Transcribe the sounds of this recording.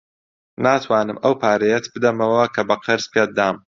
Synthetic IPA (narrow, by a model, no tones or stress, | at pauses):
naːt̪ʰwaːnɨmɐwpʰaːɾɐjɛt̪bɨd̪ɐmɐwɐkʰɐbɐqʰɨɾz̥pʰeːd̪aːm